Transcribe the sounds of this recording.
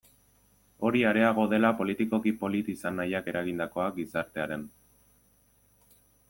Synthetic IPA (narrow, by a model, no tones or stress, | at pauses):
o̞ɾiaɾe̞aɣ̞o̞ðe̞lapo̞lit̪iko̞kipo̞lit̪isanːajake̞ɾʔaɣind̪ako̞ak̚ɡisaɾt̪e̞aɾe̞n